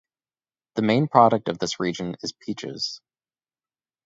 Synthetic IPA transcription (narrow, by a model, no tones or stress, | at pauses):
ðɨmẽɪ̃npʰɹ̥ɑɾɨk̚tʌvðɪsɹid͡ʒɨ̃nɪz̥pʰit͡ʃɪ̰z̥